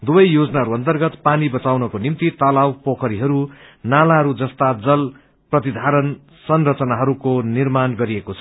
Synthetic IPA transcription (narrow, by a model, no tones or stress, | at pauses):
d̪ubʌjjod͡zʌnaɦʌɾuʌnt̪ʌrɡʌt̪panibʌt͡sawnʌkonimt̪it̪ʌlawpokʰʌɾiɦʌɾunalaɦʌɾud͡zʌst̪ad͡zʌl | prʌt̪id̪ʱaɾʌn | sʌnrʌt͡sʌnaɦʌɾukonirmanɡʌɾiekot͡sʰʌ̥